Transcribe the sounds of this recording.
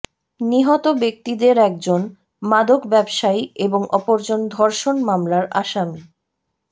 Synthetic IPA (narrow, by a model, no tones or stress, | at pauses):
niɦɔt̪obek̚t̪id̪eɾɛk̚d͡ʑon | mad̪okbɛbʃajeboŋɔpoɾd͡ʑond̪ʱɔɾʃonmamlaɾa̰ʃami